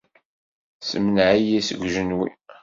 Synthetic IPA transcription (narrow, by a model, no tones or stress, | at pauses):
səmənʕijæsə̰ɡʷʒənwḭ